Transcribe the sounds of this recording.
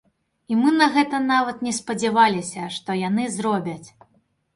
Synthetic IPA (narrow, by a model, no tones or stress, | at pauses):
imɨnɐɣɛt̪ɐnavɐt̪nʲɛspɐd͡zʲɛvalʲisʲɐʂt̪ɔjanɨzrɔbʲɐt͡sʲ